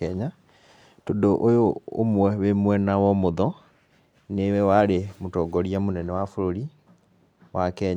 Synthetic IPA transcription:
ɛɲa | todoʔojoo̰mwɛwemwɛnawɔmoðɔ | newɛwaɾemotɔɡɔɾiamonɛnɛwafoɾoɾi | wakɛɲ

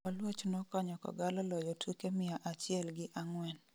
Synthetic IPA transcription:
ɔlwot͡ʃnɔkɔɲɔkɔ̰ɡalɔlɔjɔtʰukemɪaʔat͡ʃɪɛlɡɪʔaŋwɛn

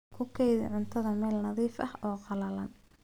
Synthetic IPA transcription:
kʰʊkʰɛjðɪ̰ʕʊnt̪ʰɐðɐmɛːlnɐðiːfʔɐhɔːqɑlɐlɐn

